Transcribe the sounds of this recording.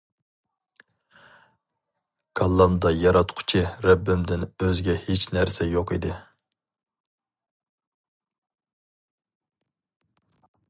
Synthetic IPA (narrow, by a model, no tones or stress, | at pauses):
ɡ̥ɑlˠːɑmd̪ɑjɑɾɑt̪qʰʊ̥t͡ʃʰiɾɛbːɪmd̪ɪnøzɡʲɛhet͡ʃnæɾsɛjoqid̪ɪ